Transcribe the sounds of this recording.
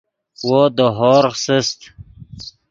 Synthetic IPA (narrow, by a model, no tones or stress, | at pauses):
wod̪əɦɔːɾsəst̪